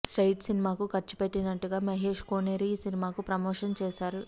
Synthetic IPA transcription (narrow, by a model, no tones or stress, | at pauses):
sʈɐjʈsinimaːkukɐɾt͡ʃu̥peʈːinɐʈːuɡaːmɐɦeːʂkoːneɾisinimaːkupɾɐmoːʂɐnt͡ʃɛːsaːɾu